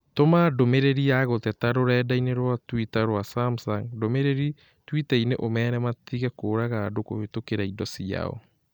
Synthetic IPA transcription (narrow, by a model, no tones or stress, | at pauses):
tomadomeɾeɾijaɣotɛtaɾoɾɛːdaineɾwatwitaɾowasamsaŋdomeɾeɾi | twitaineʔomɛːɾɛmat̪iɣakoːɾaɣaːdoko̰hetokeɾaidɔsia̰ɔ̰